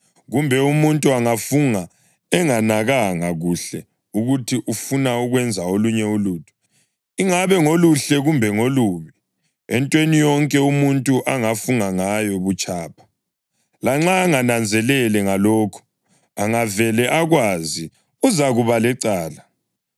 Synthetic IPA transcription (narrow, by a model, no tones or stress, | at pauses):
ɣumbʱɛumuntʼuaŋafuŋa | ɛŋanaɣaŋaɣuɬɛ | uɣutʰiʔufunauɣwɛnd͡zʱaoluɲɛuluːtʰu̥ | iŋaβɛŋoluɬɛɣumbʱɛŋoluːmi | ɛ̰ntʼwenijɔŋkʼɛumuntʼuʔaŋafuŋaŋajɔβut͡ʃʼaːpʰḁ | laŋ͡ǁaːŋanand͡zʱɛlɛlɛŋalɔːkʰu̥ | aŋavɛlɛʔaɣwazi | uzaɣuβalɛǀaːla